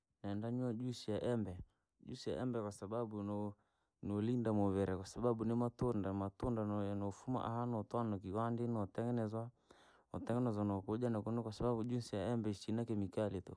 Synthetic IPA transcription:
naɛndaɲwad͡ʒusiaʔɛmbɛ | d͡ʒusija̰ʔɛmbɛkwasaɓabun | nolindamɔβɛɾɛkwasababunimatondamatundanɔfuma̰ʔa̰hanɔtwanɔk̬iwandinɔtɛŋɡɛnɛzwa | otɛŋɡɛnɛzwanɔkod͡ʒanakunɛkwasababud͡ʒusijaɛmbɛisinakɛmikaleto̰

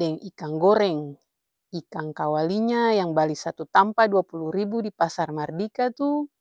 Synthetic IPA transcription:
dɛŋikaŋɡɔɾɛŋ | ikaŋkawaliɲajaŋbalisat̪ut̪ampaduapuluɾibudipasarmardikat̪u

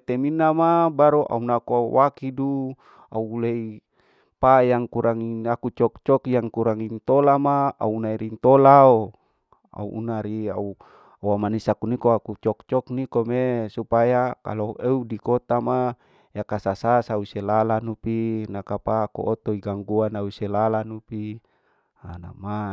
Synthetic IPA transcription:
t̪eminamabaɾoʔa̰unakuauwakidu | a̰ulei | pajaŋkuɾʔaŋiakut͡ʃɔkt͡ʃɔkjaŋkuɾaŋint̪olamaa̰unaiɾint̪olao | a̰ṵʔṵnaɾiau | wamanisakunikoakut͡ʃɔk̚t͡ʃɔknikomesupajaka̰loeudikot̪ama | jakasasasauselalanupinakapako̰ʔot̪oiɡaŋɡuanauselalanupi | ana̰ma

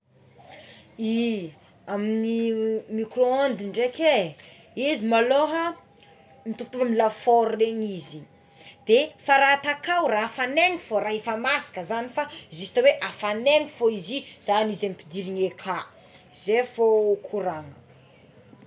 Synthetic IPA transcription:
i | aminimikroond̪iɳɖ͡ʐeke | izimaloɦə | mit̪uft̪uvamilafoɾuleɲizi | d̪̥efaɾat̪akawrafaneŋifoɾaɦefamasḁkəzanifaizisi̥t̪aweʔafaneŋifoiziz̥anizemipid̪iɾiŋekʰa | zefokʰuɾaŋə

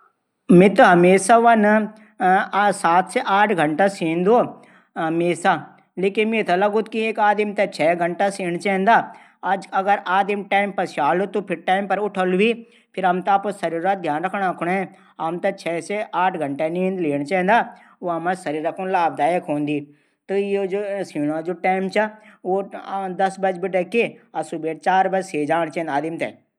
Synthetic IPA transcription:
mɪt̪ɦɐmeːsaʋɐn | saːt̪seʔaːʈʰɡʱɐɳʈasĩːnd̪o | ɦɐmeːsa | leːkinmit̪ʰɐlɐɡʊt̪kieːkaːd̪imt̪ɐt͡ʃʰɛːɡʱɐɳʈasiːɳ̃t͡ʃɛ̃ːnd̪aː | ɐd͡ʒɐɡəɾaːd̪imʈaːimpɐɾsaːlot̪opʰɪɾʈaːimpɐɾʊʈʰəlʋiː | pʰɪɾɐmt̪aːposɐɾiːɾad̪ʱjaːnɾɐkʰɽaːkʰʊɳɛ̃ | ɐmt̪ɐt͡ʃʰɛːseʔaːʈʰɡɐɳʈenĩːnd̪leːɽ̃t͡ʃɛ̃ːnd̪aː | oɐmɐ̃sɐɾiːɾɐkʰunlaːbd̪aːjekʰɦõːnd̪iː | t̪ujed͡ʒosiːɽãd͡ʒoʈaːɪmt͡ʃʰaod̪ɐsbɐd͡ʒbiɖɐkːeɐsubeːʈt͡ʃaːɾbɐd͡ʒseːd͡ʒaːɳ̃t͡ʃɛ̃ːnd̪aːd̪imt̪ɛ̰

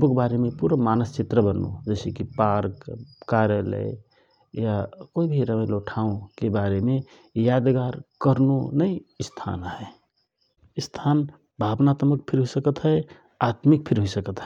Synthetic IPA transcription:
bokbaɾemepuɾəmanəst͡ʃit̪ɾəbənːo̰d͡ʒəsekipaɾkkaɾjələ̰j | jakoibʱiɾəməjloʈʰaõkebaɾeme | jad̪ɡaɾkəɾnonəist̪ʰa̰nɦɛ | st̪ʰan | bʱabnat̪mək̚pʰiɾɦuisəkət̪ɦə | at̪mik̚pʰiɾɦuisəkət̪ɦɛ

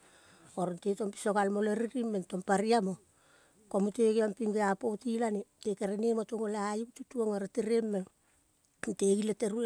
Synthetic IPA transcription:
oɾenteto̞mpi̥sokalmoleɾiɾimːentompaɾiamo | komuteɡeampiŋɡeapotilanetekeɾenemotoŋolaajikututuoŋoɾeteɾemːe | nteɡileteɾu

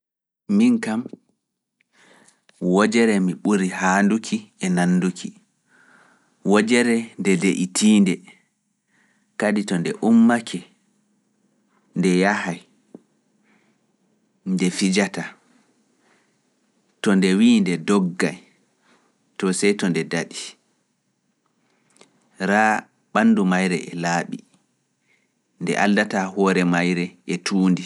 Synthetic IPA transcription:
miŋkam | wɔd͡ʒɛɾɛmiɓuɾihandukʰiɛnanːdukʰi | wɔd͡ʒɛɾɛndɛdeʔitʰiːndɛ | kaditɔndɛ̰ʔumːakʰɛ | ndɛjahaj | ndɛfid͡ʒata | tɔndɛwiːndɛdɔɡːaj | tɔsɛjtɔndɛdaɗi | ɾaː | ɓanːdumajɾɛ̰ʔɛlaːɓi | ndɛ̰ʔaldatahɔːɾɛmajɾɛɛtʰuːndi

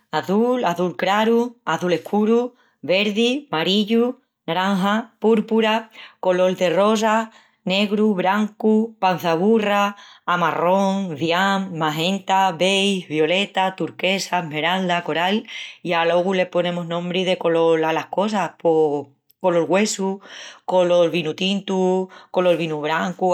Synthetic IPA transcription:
aθulaθulkɾaɾuaθule̞hkʰuɾu | βe̞ɾðimaɾiʎu | naɾaŋɦapuɾpuɾako̞lo̞ld̪e̞ro̞s̬a | ne̞ɣɾuβɾaŋkupan̟θaβ̞uraːmaro̞ŋðjamːaɦẽ̞nt̪aβejβjo̞le̞t̪at̪uɾke̞same̞ɾald̪ako̞ɾalialo̞ɣule̞hpo̞nẽ̞moɦnõ̞mbɾiðe̞ko̞lo̞lalahko̞sahpo | ko̞lo̞ɾɣwe̞suko̞lo̞lβinut̪int̪uko̞lo̞ɾβ̞inuβɾaŋku

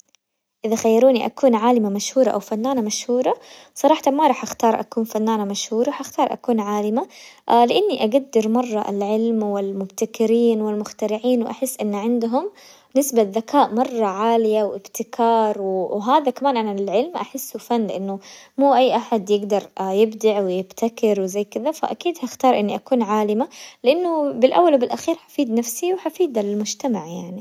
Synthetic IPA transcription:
ʔɪðaxajːɑɾuːniʔa̰kuːnʕaːlɪmamaʃhuːɾˤɑʔa̰wfanːaːnamaʃhuːɾˤɑsˤɑɾˤɑːħɑt̪amaɾˤɑːħʔaxt̪ɑːɾˤʔa̰kuːnfanːaːnamaʃhuːɾˤɑħʔaxt̪ɑːɾˤʔa̰kuːnʕaːlɪmalɪʔanːiʔaɡad̪ːɪɾmɑrˤːɑʔa̰lʕɪlmwɪlmʊbt̪akɪɾiːnwɪlmʊxt̪aɾɪʕiːnwʔaħɪsːʔɪnːʕɪnd̪ɦʊm | nɪsbaðːakaːʔmɑrˤːɑʕaːlɪjawʔɪbt̪ɪkʰɑːɾˤwwɦaːðakamaːnʔanalʕɪlmʔaħɪsːufanːlɪʔanːʊmuːʔajːʔaħad̪jɪɡd̪ɑɾˤjɪbd̪aʕwɪjɪbt̪ʰakɪɾwɪzajːkɪðafa̰ʔakiːd̪haɪxt̪ɑːɾˤʔɪnːiʔakuːnʕaːlɪmalɪʔanːʊbɪlʔa̰wːalwbɪlʔaxiːɾħḁfiːd̪nafsiwħafiːd̪alɪlmʊd͡ʒt̪amaʕjaʕni

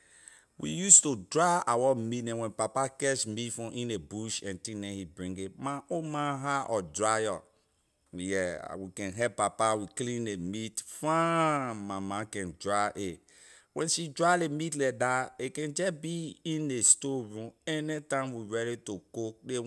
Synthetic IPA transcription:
wḭjustudɹaawɔmitnɛ̃nwɛ̃npapakɛʃmitfɔ̃ʔĩnebuʃɛ̃ntĩnɛ̃hibɹĩŋɡemaomãɦaʔɔdɹaɔ | jɛ̰wikɛ̃nɦɛppːapawiklĩndemitfãmamãkɛ̃ndɹaʔe | wɛ̃nʃidɹalemitlɛdaekɛ̃nd͡ʒɛbiĩnestoɹũmɛnɛtãɪ̃mwiɹɛɾitokok̚de

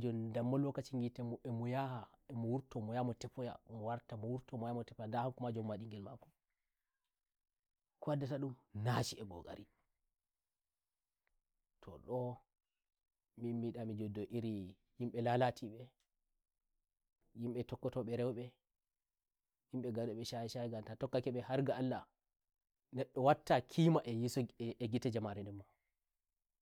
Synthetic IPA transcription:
d͡ʒɔndamːɔlwɔkːat͡ʃiŋɡitɛmɛmɔjahaɛmɔwuɾtɔmɔjamɔtɛpɔja̰mɔwaɾtamɔwuɾtɔmɔjamɔtɛpɔjandahaŋkumad͡ʒɔmmaɗiŋɡɛlma̰kɔ̥ | kɔadataɗumnat͡ʃiɛɡɔ̰ɡa̰ɾi | tʰɔ̰ɗɔ | mimːiɗamid͡ʒɔdːɔʔiɾi | jimɓɛlalatʰiɓɛ | jimɓɛtɔkːɔtɔɓɛɾɛwɓɛ | jimɓɛɡaɗɔɓɛʃajʃaɡamtatɔkːakɛɓɛhaɾɡaalːa | nɛɗːɔwatːakʰimaʔɛjisɛɡitad͡ʒamaɾɛndɛmːa

